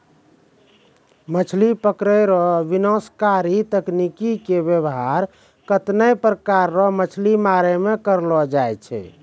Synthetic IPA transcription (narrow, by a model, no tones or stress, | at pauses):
mət͡ʃʰlipəkɾəɾɔʋinɔ̃skaɾit̪əknikikebjəbɦaɾ | kət̪nəjpɾəkaɾːɔmət͡ʃʰlimaɾɛmekəɾlɔd͡ʒajt͡ʃʰɛ̰